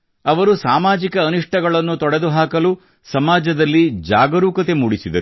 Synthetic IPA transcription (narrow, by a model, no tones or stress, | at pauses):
ɐʋɐɾusaːmaːd͡ʒikɐːniʂʈʰɐɡɐɭɐnːut̪ɔɽe̞d̪uɦaːkɐlu | sɐmaːd͡ʒɐd̪ɐlːid͡ʒaːɡɐɾuːkɐt̪e̞muːɽisid̪ɐ̰ɾu